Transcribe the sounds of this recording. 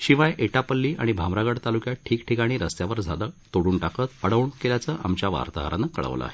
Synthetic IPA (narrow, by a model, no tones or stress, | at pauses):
ɕiʋajʔeʈapəlːiːʔa̰ɽ̃ibʱãmɾaɡəɽt̪alukjaʈʰiːkʈʰikaɽ̃iːɾəst̪jaʋəɾd͡zʱalət̪oɽuːnʈakət̪əɽəwɳkeljat͡səːʔamt͡ɕjaʋa̰ɾt̪ə̰ɦəɾanəkə̰ɭə̰ʋlə̰a̰ɦe